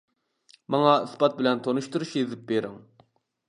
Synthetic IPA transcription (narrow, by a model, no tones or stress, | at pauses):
mɑŋɑɨsbɑt̪̚bɪlɛnt̪ʰonuʃt̪uɾuʃjezɪp̚beɾɪŋ